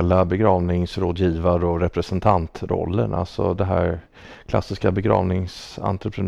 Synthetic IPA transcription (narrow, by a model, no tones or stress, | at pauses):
lːabɛɡɾɑːvnɪŋsɾoːd̪jiːvaɾəɔɾɛpɾɛsɛnt̪ʰant̪ɾɔ̰lːənʔa̰lsɔ̰d̪ɛɦæːɾ | kʰlasɪskabɛɡɾɑ̰ːvnɪŋsa̰nt̪ɾəpʰɾɛn